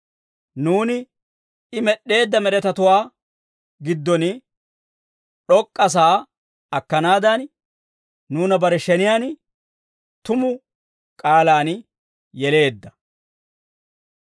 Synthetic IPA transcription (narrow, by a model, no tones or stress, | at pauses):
nuːnɪ | ɪmɛɗːe̞ːd̪ːɐmɛɾɛt̪ɐt̪ʊwaː | ɡɪd̪ːɔn | ɗɔkʼːɐs̬aː | ɐkːɐnaːd̪ɐn | nuːnɐbɐɾɛʃɛnɪjaːn | t̪ʊmʊ | kʼaːlaːn | jɛle̞ːd̪ːɐ̥